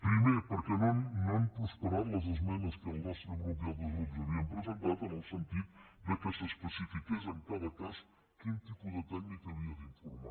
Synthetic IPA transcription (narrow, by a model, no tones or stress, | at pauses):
pɾimepəɾkɛnonnõnpuspəɾamləzəzmɛnəskəənlasəβulˠd̪aβuzud̪ɾɐβiəmpɾəzənt̪at̪ənəlˠsənt̪it̪̚d̪əkəsəspəsifikezəŋkaðəkaz | kint̪ipud̪ət̪ɛknikəβiəðiɱfuɾma